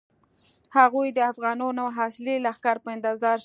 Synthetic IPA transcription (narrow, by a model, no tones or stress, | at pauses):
haɣujd̪əafɣɑnɑnoɦɑsɪlelaxkɑɾpəɪnd̪ɑzd̪ɑɾʃ